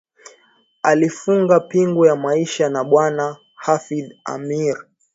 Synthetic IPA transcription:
alifuŋɡapiŋɡujamaiʃanaɓwana | hafida̰miɾ

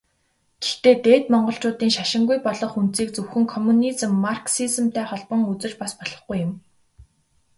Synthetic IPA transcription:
ɡ̥e̥xt̪eːt̪eːt̪mɔɴɢɞ̆ɬt͡ɕʊːt̪iːŋʃaʃɪ̆ŋɡujpɔɮɞ̆χunt̪t͡siːkt͡sɵwxɘ̆ŋkʰɔmːunit͡sɘ̆mːarksizɘ̆mt̪ʰæːχɔɮpə̆ŋut͡sɘ̆t͡ɕpaspɔɮ̥ɞ̥̆χɡujʊ̆m

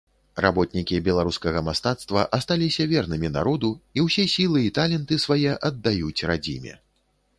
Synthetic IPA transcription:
ra̰bɔt̪nʲikʲibʲɛlˠaɾuskɐɣɐmast̪at̪st̪vɐʔɐst̪alʲisʲɐvʲɛrnɨmʲina̰ɾɔd̪uiwsʲɛsʲilˠɨit̪alʲɛnt̪ɨsvajɛʔɐd̪ːajut͡sʲrad͡zʲḭmʲɛ̰

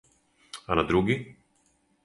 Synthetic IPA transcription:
alad̪ɾuːɡɪ

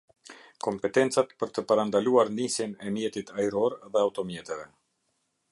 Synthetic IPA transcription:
kɔmpɛt̪ɛnt͡sat̪pəɾt̪əpaɾand̪aluaɾnisjɛnɛmjɛt̪it̪ʰajɾɔɾðɛawt̪ɔmjɛt̪ɛvɛ

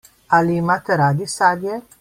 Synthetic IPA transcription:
alimat̪əɾad̪isad̪je

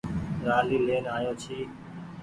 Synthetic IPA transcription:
ɾaːliːleːnaːjoːt͡ʃʰiː

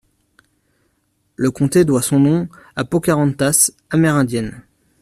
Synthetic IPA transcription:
ləkɔ̃t̪ed̪wasɔ̃nɔ̃apokʲaʁɑ̃nt̪as | amɛʁɛ̃d̪jɛn

